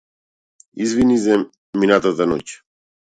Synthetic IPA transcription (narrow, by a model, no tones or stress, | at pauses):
izvinizɛ | minat̪at̪anɔc